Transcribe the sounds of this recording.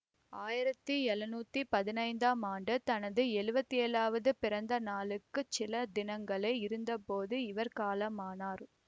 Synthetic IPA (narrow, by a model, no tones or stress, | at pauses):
aːjɪɾɐt̪ːɯɛlɐnuːt̪ːipɐðɪnɐɪnd̪aːmaːɳɖɯt̪ɐnɐðɯɛɻɯbɐt̪ːieːlaːʋɐðɯpɪɾɐnd̪ɐnaːlɯkːɯt͡ʃɪlɐd̪ɪnɐŋɡɐɭɐɪɪɾɯnd̪ɐpoːðɯɪʋɐɾkaːlɐmaːnaːɾ